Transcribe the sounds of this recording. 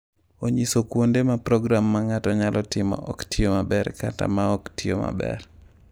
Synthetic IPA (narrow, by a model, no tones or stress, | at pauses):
oɲisokwondemapɾɔɡɾamːaŋatɔɲalʔɔtɪmɔ̰ʔɔktiomabɛrkata̰maɔktioma̰bɛ̰r